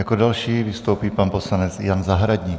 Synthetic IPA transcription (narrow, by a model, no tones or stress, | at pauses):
jakodalʃiːvɪst̪owpiːpanpo̞slanɛt͡sjanzaɦɾaɟɲiː